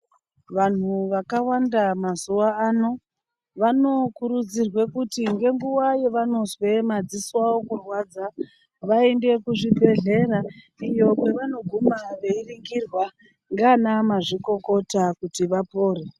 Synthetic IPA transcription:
ʋan̤uʋakawandamazuwaaːno̞ | ʋano̞kuɾud͡zirwe̞kutiŋɡe̞ŋɡuwaje̞ʋano̞zwe̞mad͡ziswawokurwad͡za | ʋaende̞kuʐibʱe̞ɮe̞ra | ijo̞pe̞ʋano̞ɡʱumaʋe̞iriŋɡirwa | ŋɡanamaʐiko̞ko̞takutiʋapo̞ːre

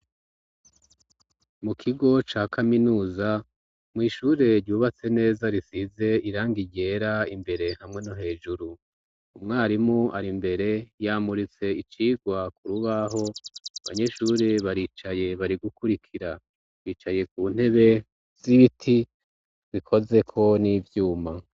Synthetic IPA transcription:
mukʰiɡo̞t͡ʃaːkʰaminuːza | mŋiːʃuɾe̞ɾɟuːβat͡se̞ne̞ːzaɾisize̞iɾaːŋɡiɟe̞ːɾaimbe̞ɾe̞hamŋe̞noɦe̞ːʒuɾu | umŋaːɾimuʔaɾimbe̞ɾe̞jaːmuɾit͡se̞it͡ʃiːɡwakuɾuβaɦo̞aβa̰ɲe̞ʃuːɾe̞βaɾiːt͡ʃaje̞βaɾiɡukuɾikʰiɾa | βiːt͡ʃaje̞k̚uːn̥he̞βe̞ | z̥iβitʰi | βikʰo̞ze̞kʰo̞nivjuːma

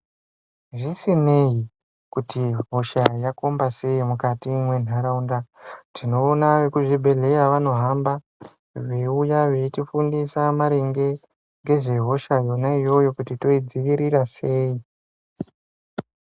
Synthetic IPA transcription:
ʐisine̞i | kutiɦo̞ʃajakombase̞imukatimwe̞n̤aɾaundatino̞ːnaʋekuʐibʱe̞ɮe̞jaʋano̞ɦamba | ʋe̞ujaʋe̞t͡ʃifundisamaɾeŋɡe̞ | ŋɡe̞ʐe̞ɦo̞ʃajo̞naijo̞jo̞kutito̞id͡ziʋiɾiɾase̞ːi

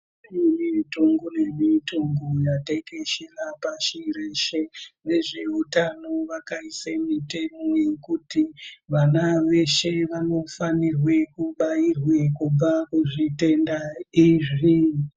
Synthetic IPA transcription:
mitoŋɡonemitoŋɡojateke̞ʃerapaʃiɾeʃene̞ʐe̞utanoʋakaisemite̞mo̞je̞kutiʋanaʋe̞ʃe̞ʋano̞fanirwe̞kuɓairwe̞kub͡vakuʐite̞ndaiʐi

